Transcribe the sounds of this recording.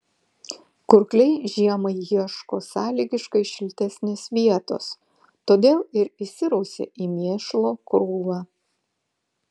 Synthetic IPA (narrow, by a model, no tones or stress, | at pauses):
kʊɾklʲɛɪʒʲiɛmɐɪjiɛʃkoːsɑːlʲiːɡʲɪʃkɐɪʃʲɪlʲt̪ʲɛsʲnʲɪsʋʲiɛt̪o̰ːs | t̪oːd̪ʲeːlˠɪɾɪsʲɪɾɐʊsʲḛːʔiːmʲiɛʃlˠoːkɾuːʋɑː